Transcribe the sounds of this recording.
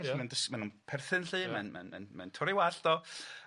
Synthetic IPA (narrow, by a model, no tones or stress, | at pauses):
mɛndəsmanunpʰɛrθɨnɬɨːmɛnmɛ̰nmɛ̰nmɛ̰ntʰʊɾɪwaɬd̥ɔ